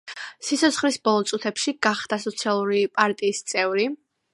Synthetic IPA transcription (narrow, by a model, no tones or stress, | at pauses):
sit̪sʰɔt̪sʰχlisbɔlˠɔt̪sʼut̪ʰɛpʃiɡ̥aχd̪̥asɔt̪sʰialˠuɾipʼaɾt̪ʼiːst̪sʼɛvɾi